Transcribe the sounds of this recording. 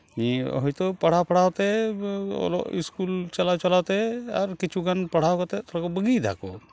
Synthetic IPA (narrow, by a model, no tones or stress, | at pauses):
ĩɦojt̪opəɽ̤apəɽ̤at̪e | o̰lo̰ḭskult͡ʃɐlat͡ʃəlat̪eɔɾkit͡ʃʰuɡənpɐɽ̤awkot̪et̪oɾakobəɡid̪ʱa̰ko̰